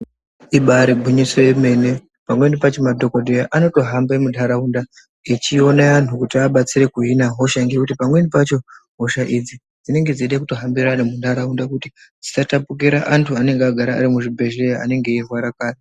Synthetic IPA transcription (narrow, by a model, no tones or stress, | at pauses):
iɓaɾibʱuɲiso̞jeme̞ne̞ | pamwenipat͡ʃomadʱo̞ko̞dʱejaʔano̞to̞ɦambemundʱaɾaunda | et͡ʃio̞neantʰukutiaɓat͡sire̞kuɦinaɦo̞ʃaŋɡekutipamwenipat͡ʃo̞ | ɦo̞ʃaʔid͡zi | d͡zine̞ŋɡeziɗakuto̞ɦambiɾanemundʱaɾaundakutid͡zisatapuk̬iɾaʔantʰuane̞ŋɡeaɡʱaɾa̰ːɾimuʐibʱe̞ʒejaa̰ne̞ŋɡe̞ːrwaɾakaːri